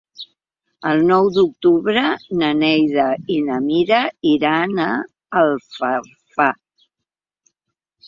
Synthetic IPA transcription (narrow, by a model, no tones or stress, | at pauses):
əlˠnɔwd̪uk̚t̪uβɾənənɛjðəinəmiɾəiɾana | əlˠfə | fa